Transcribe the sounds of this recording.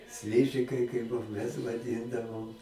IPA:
ˈsʲlʲɪʒʲɪkɐɪ kɐɪp ˈbuɔ mʲɛs ʋɐˈdʲɪndɐʋoːm

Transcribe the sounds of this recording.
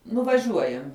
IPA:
nʊʋɐˈʒʲuɔjɛmʲ

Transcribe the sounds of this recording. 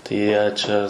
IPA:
tɐɪ ˈjiɛ ˈt͡ʃʲɛ

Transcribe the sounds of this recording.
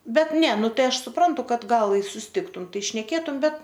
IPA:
bʲɛt nʲɛ nʊ ˈtɐɪ ˈɐʃ sʊˈprɐntʊ ˈkɐt ˈɡɐlˠ ɪ sʊsʲɪˈtʲɪktʊm ˈtɐɪ ʃʲnʲɛˈkʲeːtʊm ˈbʲɛt

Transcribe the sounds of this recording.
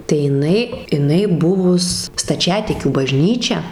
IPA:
tɐɪ jɪˈnɐɪ ɪˈnɐɪ ˈbʊʋʊs stɐˈt͡ʃʲæːtʲɪkʲuː bɐˈʒʲnʲiːt͡ʃʲɛ

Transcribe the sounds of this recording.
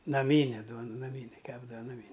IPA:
nɐˈmʲiːnʲɛ ˈduɔn nɐˈmʲiːnʲɛ ˈkʲæːbdɐʋɐ ˈnɑːmʲɪ

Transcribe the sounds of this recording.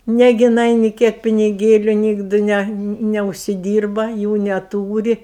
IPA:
ˈnʲæːɡʲɪ jɪˈnɐɪ nʲɪ ˈkʲiɛk pʲɪnʲɪˈɡʲeːlʲʊ ˈnʲiːɡdɨ ˈnʲɛ nʲɛʊʃʲsʲɪˈdʲiːrbɐ ˈjuː nʲɛˈtuːrʲɪ

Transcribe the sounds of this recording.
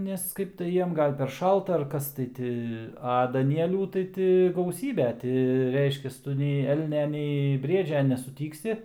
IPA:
ˈnʲɛs ˈkɐɪp tɐɪ ˈjiɛm ˈɡɐlˠ pʲɛr ˈʃɐlˠtɐ ɐr ˈkɐs tɐɪ ˈtʲɪ ɐ dɐˈnʲiɛlʲuː tɐɪ ˈtʲɪ ɡɐʊˈsʲiːbʲɛ ˈtʲɪ ˈrʲɛɪʃʲkʲɛs ˈtʊ nʲɛɪ ˈɛlʲnʲɛ nʲɛɪ ˈbʲrʲiɛd͡ʒʲɛ nʲɛsʊˈtʲiːksʲɪ

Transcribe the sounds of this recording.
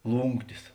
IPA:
ˈlˠuːŋktʲɪs

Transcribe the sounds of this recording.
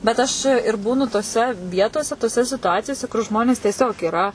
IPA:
bʲɛt ˈɐʃ ɪr ˈbuːnʊ toːˈsʲɛ ˈʋʲiɛtoːsʲɛ toːˈsʲɛ sʲɪtʊˈɑːt͡sʲɪjoːsʲɛ kʊr ˈʒmoːnʲeːs tʲiɛˈsʲoːk iːˈrɐ

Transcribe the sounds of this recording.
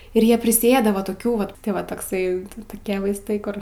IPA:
ɪr ˈjiɛ pʲrʲɪsʲɪˈeːdɐ ʋɐ toːˈkʲuː ʋɐt ˈʋɐ toːkˈsɐɪ toːˈkʲiɛ ʋɐɪsˈtɐɪ ˈkʊr

